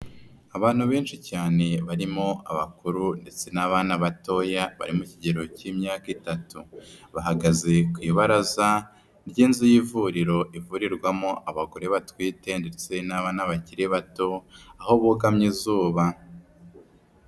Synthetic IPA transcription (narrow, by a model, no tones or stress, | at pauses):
aβaːn̥huβe̞ːnʃicaːne̞βaɾimoʔaβa̰kuɾunde̞t͡se̞naβaːnaβato̞ːjaβa̰ɾimuciɟe̞ɾo̞cimɲaːkitatuβaɦaɡaze̞kwiːβaɾaza | ɾɟiːnzijivuɾiɾo̞ʔivuɾiɾɡwamoʔaβaɡo̞ɾe̞βatwiːte̞nde̞t͡se̞naβaːnaβaciɾeβato̞aho̞βuɡamɲizuːβa